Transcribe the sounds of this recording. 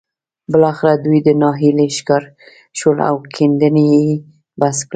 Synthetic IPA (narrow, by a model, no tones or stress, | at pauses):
bəlɑxɪɾad̪ujd̪ənɑɦileʃkɑɾ | ʃwəla̰wkʰend̪ənee | baskɽə